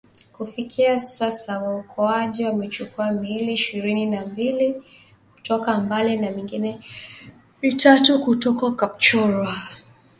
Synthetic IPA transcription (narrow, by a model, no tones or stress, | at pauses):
kufikʰiasasawaukʰɔaʄiwamɛt͡ʃukuamiliːʃiɾininambili | ku̥tɔkambalinamiŋɡinɛ | vitatukutɔkakap̚t͡ʃɔɾwa